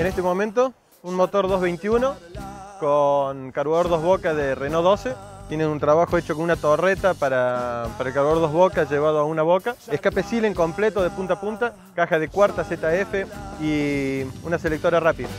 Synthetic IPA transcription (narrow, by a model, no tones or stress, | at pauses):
enest̪emo̞mẽnt̪o̞ | unmot̪o̞ɾðo̞ɦβejnt̪iuno̞konkaɾwaðoɾðo̞ɦβokaðerenoðo̞set̪je̞nenunt̪ɾaβaxoet͡ʃokonunat̪oret̪apaɾapaɾaelkaɾwaðoɾðoɦβokaʒeβ̞að̞oaunaβokaehkapesileŋko̞mplet̪oðepunt̪apunt̪a | kaxaðekwaɾt̪aset̪aefei | unaselek̚t̪oɾarapiða